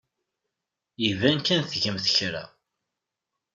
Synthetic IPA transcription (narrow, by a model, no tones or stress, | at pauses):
jivænkænθʝəmθəçɾæ̰